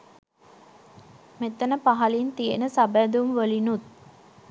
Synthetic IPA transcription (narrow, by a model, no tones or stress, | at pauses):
met̪ənəpaɦɐlint̪ijenəsabæːd̪umʋəlinut̪̚